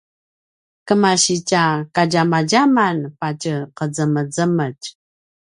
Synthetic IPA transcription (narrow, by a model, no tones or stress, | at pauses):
kəmaɕicakaɟamaɟamanpacəqəd͡zəməd͡zəməc